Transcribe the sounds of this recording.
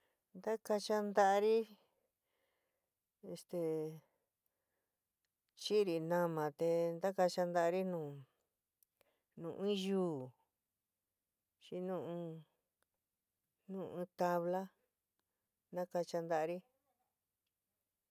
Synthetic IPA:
nd̪a˦ka˧t͡ʃa˧nd̪a˦ʔa˧ɾi˦ | e˧st̪e˧ | t͡ʃi˦˧ɾi˧nã˧mã˨t̪e˧nd̪a˦ka˧t͡ʃa˧nd̪a˧ɾi˦nũː˨ | nũː˨ʔĩ˦juː˦ | t͡ʃi˧˦nũ˦˧ũ˧ | nũː˦˨ɨ̃˧t̪a˧βla˦ | nã˦ka˧t͡ʃa˧nd̪a˧ʔɾi˦

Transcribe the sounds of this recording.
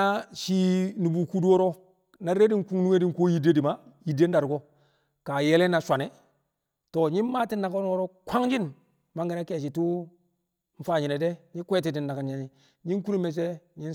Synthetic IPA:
a˦ʃi˦nu˨bu˨ku˦du˦o˦ɾo˦ | na˨ɾe˦di˦ŋku˦ŋnu˦ŋe˦di˦ŋko˦ji˦de˦di˨ma˦ | ji˨de˦nda˨ɾɡo˦ | ka˨je˦le˦na˨sʷa˨ne˨ | to˨ɲi˦n˦ma˦ti˦nːa˨ko˦n˦o˦ɾo˦kʰʷa˦ŋd͡ʒi˦n | ma˦ŋɡi˦na˦ke˨ʃ̬i˨tu˦ | ɱ̩˦fa˨ɲi˨ne˨de˦ɲi˦kʷe˦ti˨di˨nːa˨ka˨ɲa˨ɲi˨ | ɲi˦ku˦ɾi˦me˨s̬e˦ɲi˦n

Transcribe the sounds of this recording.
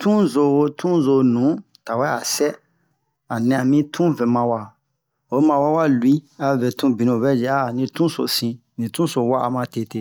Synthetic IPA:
tʰũ˦zo˨wo˦tʰũ˦zo˨nũ˨˦ | ta˨wɛ˦a˨sɛ˦ | a˨nɛ̃˨a˨mĩ˦tʰũ˦vɛ˨mã˧wa˨ | o˨˦mã˧wa˦wa˦lwi˦a˦vɛ˨tũ˦bĩ˨nõ˨βɛ˦d͡ʒɛ˨a˦˨nĩ˧tũ˦so̰˨sĩ˦ | nĩ˨tũ˦so˨wa˦ʔa˨mã˧˦te˦˨te˦˨

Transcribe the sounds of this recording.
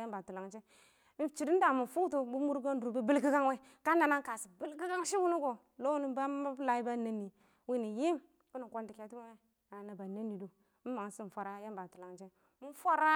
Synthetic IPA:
a˦mba˨tu˨la˨ŋt͡ʃe˦ | t͡ʃi˨di˦n˦da˨mu˨fu˦tu˦bu˦mu˦ɾɡo˦n˦u˨ɾu˨bi˦bi˦lki˦ɡa˦ŋ˦we˦ | ka˦na˨na˦ŋ˦ka˨si˨bi˦lki˦ɡa˦ŋʃi˦wu˦nu˦ɡo˨ | lo˦u˦ni˦ba˦a˦bla˨i˦ba˦na˦nːi˨ | wi˦˨ni˨ji˦m | ku˦nu˨kʷo˦ndi˨ke˨tu˦wi˦ŋe˦ | a˨na˨ba˨na˦nːi˨du˨ | m̩˦ma˨ŋ˨˦si˦m˨fa˨ɾa˦ja˦mba˨tu˨la˨ŋt͡ʃe˦ | mu˦fʷa˦ɾa˦

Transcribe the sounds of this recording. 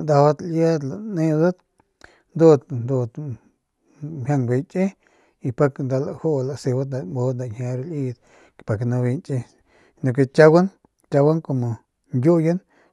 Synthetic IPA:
nd̪a˧wa˦t̪lja˦d̪la˨nẽ˧d̪a˦t̪ | nd̪o˧d̪nd̪o˧t̪ | hʲja˧ŋɡʷe˧t͡ʃʼe˦ | i˧pa˧knd̪a˧la˧ho˦˨la˧˨se˧wa˦t̪na˧˨mbo˧t̪na˨hja˧ɾli˧d̪ | pa˨kna˧βi˧nt͡ʃʼe˧ | no˧k̬e˧t͡ʃa˦wa˦n | t͡ʃa˧wa˦ŋko˨mo˨ | nɡʲo˦ja˦n

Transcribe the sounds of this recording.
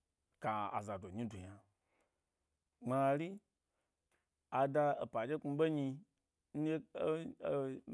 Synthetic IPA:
ka˨a̰˨za˨do˨ɲĩ˧do˨ɲa˧ | ŋ͡ma˧ɾi˦ | a˨da˧e˨pa˨d͡ʒe˦k͡pu˧ɓe˦ɲĩ˧˦ | je˦

